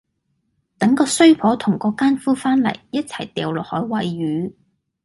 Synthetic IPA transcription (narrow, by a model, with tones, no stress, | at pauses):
t̪ɐ˨˥ŋkɔː˧sɵ˥ɥpʰɔː˨˥t̪ʰʊ˨˩ŋkɔː˨˥kaː˥nfuː˥faː˥nlɐ̰˨˩jjɐ˥t̚t͡sʰɐ˨˩jt̪ɛː˨˩wlɔ˨˩hɔː˨˥jwɐ˨jɥyː˨˥